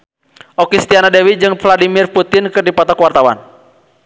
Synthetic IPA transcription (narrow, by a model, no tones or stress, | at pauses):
ʔɔkist̪ianadɛwid͡ʒɨŋfladimirput̪inkɨrdipat̪akwart̪awa̰n